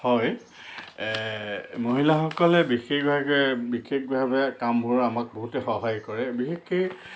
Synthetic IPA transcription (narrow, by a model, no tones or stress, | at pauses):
hɔj | moɦilaxɔkɔlɛbixexbʱaɡbixexbʱabɛkambuɹɹamak̚boɦutɛxɔɦajkɔɹɛbixexi